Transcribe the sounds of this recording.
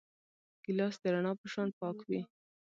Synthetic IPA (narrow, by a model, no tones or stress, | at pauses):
ɡ̥ɪlɑsd̪əɾaɳɑpəʃɑnpɑkwi